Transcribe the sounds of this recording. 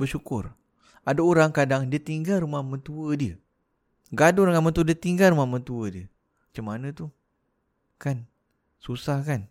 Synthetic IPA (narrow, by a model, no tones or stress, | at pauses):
bəʃukʊr | adaoɾaŋkadaŋdiət̪iŋɡalɾumahmə̃t̪uədiə | ɡadoɾaŋamə̃nt̪uədiət̪iŋɡalrɾumahmə̃t̪uədiə | mat͡ʃamːanə̃t̪u | kan | susahkan